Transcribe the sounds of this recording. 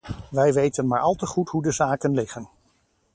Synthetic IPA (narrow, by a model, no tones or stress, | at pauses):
ʋɛjʋejtənmaːɹʔɑlˠtəχutɦudəzaːkənlɪχən